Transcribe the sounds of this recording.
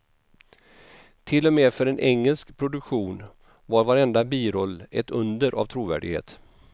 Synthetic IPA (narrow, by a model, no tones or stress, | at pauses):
t̪ʰɪlːɔmeːfœɾɛnʔɛŋːɛlskpʰɾʊd̪ɵkɧuːn | vaɾvaɾɛnd̪abiːɾɔlːɛt̪ɵnd̪əɾʔa̰vt̪ʰɾuːvæ̰ːɖɪɡhḛːt̪